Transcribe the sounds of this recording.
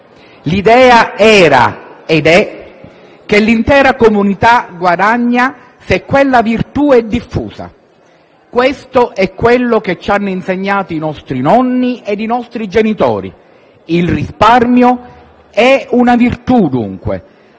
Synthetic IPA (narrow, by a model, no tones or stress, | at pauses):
lid̪ɛːaɛːɾa̰ed̪ɛ | k̟elːint̪ɛːɾakomunit̪aɡwad̪aɲːa | sekːwelːavirt̪uɛd̪ːifːṵːsa̰ | kwest̪oʔɛkːwelːok̟et͡ʃːanːʊinseɲːaːt̪oinɔst̪ɾinɔnːied̪inɔst̪ɾid͡ʒenit̪ɔ̰ːɾḭ | ilrisparmjo | ɛunavirt̪ud̪ṵŋkwḛ